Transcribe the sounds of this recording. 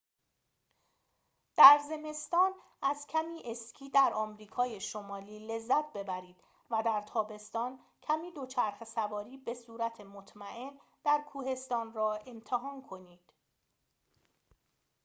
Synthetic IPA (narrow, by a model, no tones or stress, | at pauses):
d̪̥æɾze̞me̞st̪ɒːn | æz̥cʰæmiːʔe̞scʰiːd̪æɾɒːmɾiːkʰɒːjeʃo̞mɒːliːle̞zːæt̪̚ʰbe̞bæɾiːd̪̥ | væd̪æɾt̪ʰɒːbe̞st̪ɒːn | cʰæmiːd̪o̞t͡ʃʰæɾxesævɒːɾiːbe̞suːɾæt̪ʰe̞mot̪ʰmæʔe̞n | d̪̥æɾkʰuːhe̞st̪ɒːnrɒːʔe̞mt̪ʰeɦɒːnkʰo̞niːd̪̥